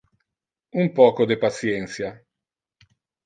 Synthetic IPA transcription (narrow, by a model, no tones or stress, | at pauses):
umpɔːkod̪epat̪sjɛnt̪sja